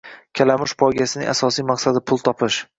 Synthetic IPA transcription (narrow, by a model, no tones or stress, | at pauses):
kʲʰalamʊʃpʰɒjɡʲasɪnɪ̰ŋʔasɒsijmaqsad̪ɪpʰʊlˠt̪ʰɒpʰɪʃ